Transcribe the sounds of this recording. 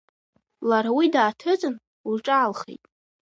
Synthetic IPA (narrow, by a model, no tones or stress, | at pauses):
laɾawidaːtʰɨt͡sʼɨn | uʈ͡ʂʼaːlχḛjtʼ